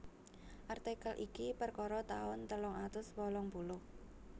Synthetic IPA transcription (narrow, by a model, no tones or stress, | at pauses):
ʔart̪ekəlʔikipərkɔɾɔt̪aʊnt̪əlɔŋat̪ʊswɔlɔŋpulʊh